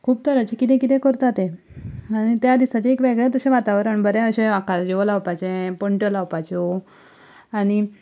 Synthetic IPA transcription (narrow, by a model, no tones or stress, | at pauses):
kʰuːb̚t̪əɾət͡ɕekit̪ɛ̃kit̪ɛ̃kəɾt̪at̪e | aɽ̃it̪jad̪isat͡ɕeekʋɛɡɭjat̪əɕẽʋat̪aʋɾəɳbəɾjaəɕẽakad͡ʑeolaʋpat͡ɕẽpəɳʈəlaʋpat͡ɕo | aɽ̃i